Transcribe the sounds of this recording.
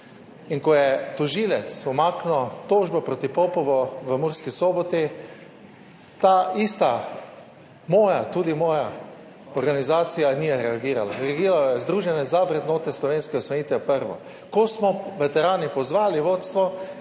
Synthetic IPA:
inkɔjɛt̪uʒiːlɛt̪sɔmaːknɔt̪oːʒbɔpɾot̪ipopɔʋɔʋəmuɾskisoːbɔt̪i | t̪aist̪a | moːjat̪uːd̪imɔːja | ɔɾɡanizaːt̪sijaniːjɛɾɛaɡiːɾala̰ɾɛaɡiːɾaljɛzd̪ɾuːʒɛnɛzaʋɾɛd̪noːt̪ɛslɔʋeːnskɛɔsɔniːt̪ɛpəɾʋɔ̰ | kɔsmɔʋet̪ɛɾaːnipɔzʋaːliʋoːt̪st̪ʋɔ

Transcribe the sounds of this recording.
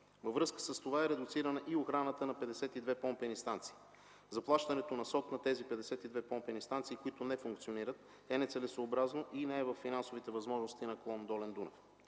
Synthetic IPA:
vɐvɾɤskə̥səst̪ovaɛɾɛd̪ʊt̪siɾənəʔioxɾanət̪ənɐpɛd̪ɛsɛt̪id̪vɛpɔmpɛnist̪ant̪si̥ː | zɐplˠaʃt̪ɐnɛt̪onɐsɔt̪nɐt̪ɛzipɛd̪ɛsɛt̪id̪vɛpɔmpɛnist̪ant̪siːkoit̪onɛfuŋkt̪sioniɾət̪̚ | ɛnɛt̪sɛlɛsoːbɾaznoʔinɛːvɐfːinansovit̪ɛvɐzmɔʒnost̪inɐklˠɔnd̪ɔlɛnd̪unɛ̰f

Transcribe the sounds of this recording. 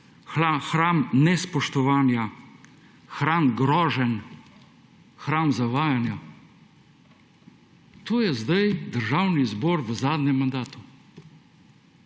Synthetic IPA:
xaxɾaːmnɛspɔʃt̪ɔʋaːnja | xɾaːnɡɾɔːʒɛn | xɾaːnzaʋaːjanjɔ | t̪oːjɛzd̪ajd̪əɾʒaːwnizbɔːɾʋəzaːd̪nɛmːand̪aːt̪u

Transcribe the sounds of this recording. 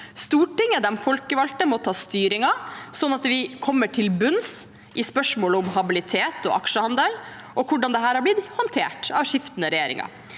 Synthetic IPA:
st̪uːʈɪŋːəd̪ɛmfɔlkəʋɑlt̪əmɔt̪ʰɑːst̪yːɾɪŋɑsɔnːɑt̪ʋɪkʰɔmːəʈʰɪlbʉns | ʔɪspœʂmoːləʊmhɑbɪlɪt̪ʰeːt̪ɔ̰ʔɑ̰kʂəhɑnd̪əl | ʔɔkʰʊɖɑnd̪ɛɦæːɾɑblɪd̪hɑnt̪ʰeːʈɑʋʂɪft̪ənəɾɛjeːɾɪ̰ŋɑ̰

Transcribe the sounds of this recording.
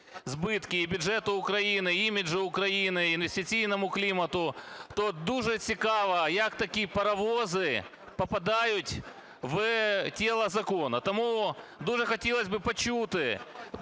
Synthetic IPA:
zbɨt̪kʲɪːbʲʊʐɛt̪ʊʊkɾɐinɨimʲɪʐɨʊkɾɐinɨɪnvʲsʲtʲɪsʲijnɐmʊklʲimɐt̪ʊt̪od̪uʐɛsʲɪkaʋɐjakt̪ɐkʲipɐɾɐvozɨ | pɐpɐd̪ajʊtʲ | vtʲelˠɐzɐkonɐt̪ɐmud̪uʐɛxɐtʲelˠɐzʲbɨpɐt͡ɕut̪ɨ

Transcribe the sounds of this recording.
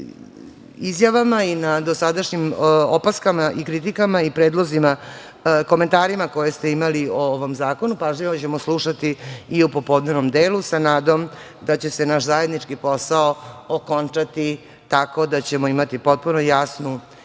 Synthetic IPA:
izjaʋamainad̪o̞sad̪aʃɲimopaskamaʔikɾit̪̬ikamaipɾeːd̪lˠo̞zima | ko̞me̞nt̪aːɾimako̞je̞st̪eimaliooʋo̞mzaːko̞nupaʒʎiʋot͡ɕe̞mo̞slˠuʃat̪iiupo̞po̞d̪nenomd̪eːlusanaːd̪o̞m | d̪at͡ɕe̞se̞naʃzaje̞d̪nit͡ʂkipo̞saooko̞nt͡ʂat̪i | t̪ako̞d̪at͡ɕe̞mo̞imat̪ipo̞t̪̚puno̞jasnu

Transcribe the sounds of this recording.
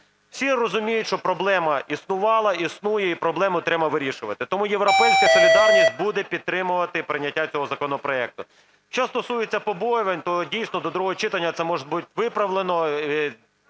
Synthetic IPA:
w̥sʲirɔzʊmʲijʊtʲʃt͡ʃɔpɾɔblˠɛmɐisnʊʋɑlˠɐisnujɛipɾɔblˠɛmʊt̪ɾɛbɐʋɪɾʲiʃʊʋɐt̪ɪt̪ɔmujeʋɾɔpɛjsʲkɐsɔlʲild̪ɑlʲnʲisʲt̚ʲbud̪ɛpʲid̪̚t̪ɾɪmʊʋɐt̪ɪpɾɪnʲːɐtʲːat͡sʲɔɦɔzɐkɔnɔpɾɔɛk̚t̪ʊ | ʃt͡ʃɔst̪ɔsujet͡sʲːɐpɔbɔjʊʋɐnʲt̪ɔdʲijsʲnɔd̪ɔd̪ɾuɦɔɔt͡ʃɪt̪ɐnʲːɐt̪sɛmɔʒɪbutʲʋɪpɾɐʋlˠenɔ

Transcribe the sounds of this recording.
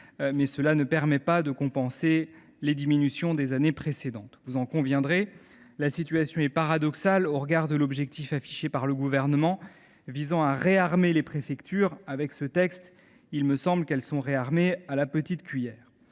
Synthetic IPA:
mɛsəlanəpɛʁmɛpad̪əkɔ̃pɑ̃se | led̪iminysjɔ̃d̪ezanepχesed̪ɑ̃t̪vuzɑ̃kɔ̃vjɛ̃d̪ʁe | lasit̪ɥasjɔ̃ɛpaʁad̪ɔksaloʁəɡaʁd̪əlɔbʒɛk̚t̪ifafi̥ʃepaʁləɡuvɛʁnəmɑ̃ | vizɑ̃aʁeaʁmelepχefɛkt̪yʁavɛksət̪ɛkst̪ | ilməsɑ̃blkɛlsɔ̃ʁeaʁmealapət̪it̪kʲɥijɛːʁ

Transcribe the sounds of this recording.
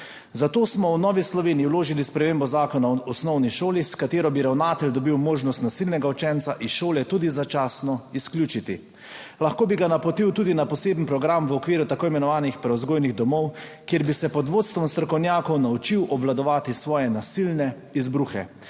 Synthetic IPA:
zat̪oːsmɔwnɔːʋislɔʋeːniiwloːʒilispɾɛmeːmbɔzaːkɔnaɔsnɔwniʃoːliskat̪eːɾɔbiɾawnaːt̪ɛld̪ɔbiwmoːʒnɔst̪nasilnɛɡaut͡ʃɛnt̪saʔiʃoːlɛt̪uːd̪izat͡ʃaːsnɔisklʲjuːt͡ʃit̪i | laxkoːbiɡanapɔt̪iwt̪uːd̪inapɔseːbn̩pɾɔɡɾamʋɔkʋiːɾut̪akoːimɛnɔʋaːnixpɾɛɔzɡoːjniɣd̪ɔmɔwkjeɾbisɛpɔd̪ʋoːt̪st̪ʋɔmst̪ɾɔkɔwnjaːkɔwnaut͡ʃiwʔɔblad̪ɔʋaːt̪isʋɔːjɛnasilnɛ | izbɾuxɛ̰

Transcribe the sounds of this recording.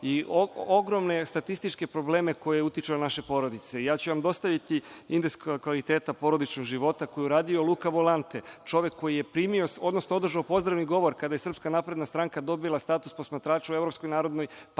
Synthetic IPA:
iooɡɾo̞mne̞st̪at̪ist̪it͡ʃke̞pɾo̞ble̞ːmeko̞jeeut̪jit͡ʃenaʃe̞po̞ɾo̞d̪it̪se̞ijaːt͡ɕuʋamd̪o̞st̪aʋit̪iind̪eskkʋalit̪e̞ːt̪apo̞ɾo̞d̪it͡ʃnoɡʒiʋo̞t̪ako̞jiuɾaːd̪io̞lˠuːkaʋolant̪e̞t͡ʃo̞ʋje̞kʰːo̞jijepɾiːmio̞o̞d̪nosnoo̞d̪r̩ʒaopo̞zd̪ɾaʋniɡo̞ʋo̞ɾkad̪aje̞srpskanaːpɾe̞d̪nast̪ɾaŋkad̪o̞bilˠast̪aːt̪uspo̞smat̪ɾaːt͡ʃue̞vɾo̞psko̞jnaːɾo̞d̪nojp

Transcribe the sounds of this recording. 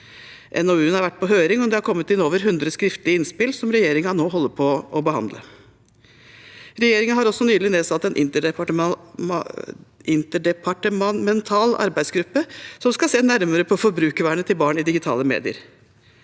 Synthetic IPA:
ʔɛ̰noːʉːnhɑɾʋæʈːpʰɔɦøːɾɪŋɔd̪ɛhɑɾkʰɔmːət̪ɪnoːʋəɾɦʉnd̪ɾəskɾɪft̪lɪəɪnspɪlsɔmɾɛjeːɾɪŋəɑnoːɦɔlːəpʰɔʔɔbəhɑ̰nd̪lə̰ | ɾɛjeːɾɪŋəɦɑɾɔsːɔnyːlɪneːsɑt̪ːɛnʔɪ̰nt̪əɖɛpɑʈ | ɪnt̪əɖɛpʰɑʈəmɑmɛnt̪ʰɑːlɑ̰ɾbæɪsɡɾʉpːəsɔmskɑseːnæɾməɾəpʰɔfɔɾbɾʉːkʋæːɳət̪ʰɪlbɑːɳɪd̪ɪɡɪt̪ʰɑ̰ːləmḛːd̪ɪə̰ɾ

